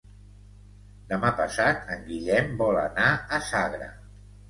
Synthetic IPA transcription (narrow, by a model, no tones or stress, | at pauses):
d̪əmapəsat̪ʰəŋɡiʎɛmbɔlənaəsaɣɾə̰